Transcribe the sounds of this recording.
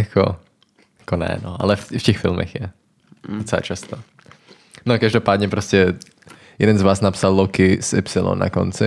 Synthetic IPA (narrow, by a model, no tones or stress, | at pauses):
jako̰ | jḁkonɛ̰noʔa̰lɛffcɛxfɪlmɛ̰xjɛ | dot͡sɛla̰ːt͡ʃast̪o | nokaʒdopaːd̪ɲɛpɾoscɛ | jɛdɛnzvaːsnapsalˠlokɪsʔɪ̰psɪlo̰nːa̰ko̰nt͡sɪ